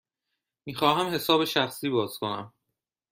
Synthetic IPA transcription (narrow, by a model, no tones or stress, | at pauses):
miːxɒːɦæmhe̞sɒːbeʃæxsiːbɒːz̥kʰo̞næ̰m